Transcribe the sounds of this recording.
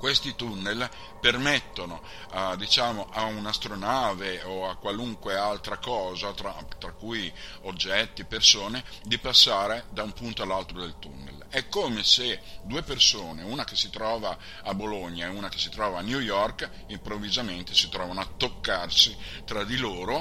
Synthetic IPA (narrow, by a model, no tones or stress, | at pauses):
kwest̪it̪unːel | permet̪ːono | d̪it͡ʃaːmoʔaunast̪ɾonaːveoakwaluŋkwealt̪ɾakɔːzat̪ɾat̪ɾakːuj | od͡ʒːɛt̪ːipersoːned̪ipasːaːɾed̪aumpunt̪oalːalt̪ɾod̪elt̪ṵnːḛlɛkːoːmesed̪uepersoːneunakesit̪ɾɔːvaː | boloɲːaeunake̥sit̪ɾɔːvaːnjujɔrk | impɾovːizament̪e̥sit̪ɾɔːvanoat̪ːokːarsit̪ɾad̪iloːɾo